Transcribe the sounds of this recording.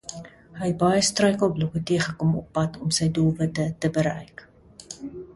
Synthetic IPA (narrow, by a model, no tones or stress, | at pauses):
ɦəjɛt̚bɐjəstrœɥkəlˠblɔkətiəχəkɔmɔpːɐtʰɔmsəjdulˠvətətəbəɾɛ̰jk